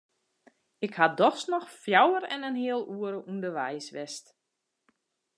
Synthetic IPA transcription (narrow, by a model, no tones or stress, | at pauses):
ɪkhadɔxsnɔxfjawəɾɛnənɦiəlˠuəɾəʔundərʋɛjsʋɛst